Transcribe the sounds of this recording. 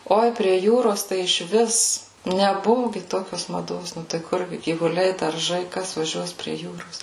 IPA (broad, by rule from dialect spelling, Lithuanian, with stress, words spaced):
ˈoːɪ pʲrʲiɛ ˈjuːroːs tɐɪ ɪʃʲˈʋʲɪs nʲɛˈbʊʋʊ ˈɡʲɪ ˈtoːkʲoːs mɐˈdoːs ˈnʊ tɐɪ ˈkʊr ɡʲɪ ɡʲiːʋʊˈlʲɛɪ dɐrˈʒɐɪ ˈkɐs ʋɐˈʒʲuɔs pʲrʲiɛ ˈjuːroːs